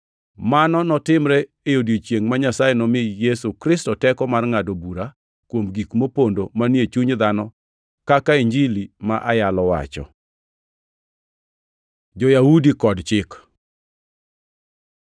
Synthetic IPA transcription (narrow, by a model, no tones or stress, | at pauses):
manɔnɔtɪmɾɛ | ejodjot͡ʃjeŋmaɲasajɛnɔmɪejɛsukɾɪstɔtɛkɔmarŋadobuɾa | kwomɡikmopondomanet͡ʃuɲd̪anɔ | kakaiɲd͡ʒilima̰ʔajalɔwa̰t͡ʃɔ̰ | d͡ʒɔjaudikɔdt͡ʃɪk